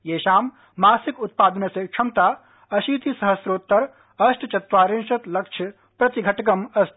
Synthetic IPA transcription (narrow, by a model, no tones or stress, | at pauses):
jeːʃaːmː | aːsikut̪̚paːd̪ɐnɐsekʃʰɐmt̪aː | ɐʃiːt̪isɐɦɐsɾoːt̪ːɐɾ | ɐsʈt͡ʃɐt̪ʋaːɾinʃɐt̪lɐkt͡ʃʰɐ | pɾɐt̪iɡʱɐʈɐɡɐmɐs